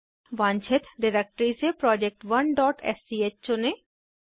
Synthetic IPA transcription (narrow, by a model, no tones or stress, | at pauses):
bant͡ɕʰet̪ɖiɾek̚ʈɾisepɾɔd͡ʑek̚ʈwɐnɖɔʈḛsiet͡ɕt͡ɕone